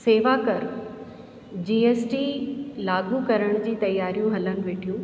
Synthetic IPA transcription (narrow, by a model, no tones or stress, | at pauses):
seːʋakɐɾ | d͡ʑiːeːsʈiːlaːɡukɐɾəɽ̃d͡ʑiːt̪ɐjːaːɾijũɦɐlənɪ̆ʋeːʈʰijũː